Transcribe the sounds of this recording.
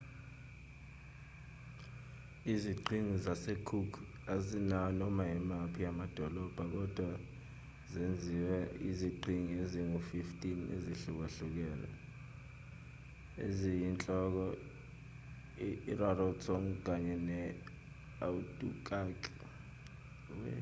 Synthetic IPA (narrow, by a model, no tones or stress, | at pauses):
iziǃʱiŋizasekʰukʰ | azinaɔnɔmaimapʰijamad̥ʱɔlɔb̥ʱak̬ɔd̥ʱwa | zend͡zʱiwɛiziǃʱiŋieziŋufiftʼinḛziɬuk̬eɬuk̬ɛːlɛ̰ | ḛzijint͡ɬʼɔk̬ɔ | rarɔtʰɔŋk̬ʼaɲɛnɛ | awutʼṵkʼakʼi | wɛ